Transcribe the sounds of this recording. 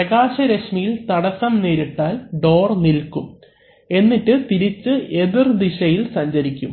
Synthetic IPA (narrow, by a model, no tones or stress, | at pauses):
pɾɐɣaːɕɐɾɐɕmijilt̪ɐɽɐsɐmneːɾiʈːaːlɖo̞ːrnilkum | e̞nːitːɨt̪iɾit͡ɕːɨʔe̞ðird̪iɕɐjilsɐɲd͡ʑɐɾikʲːum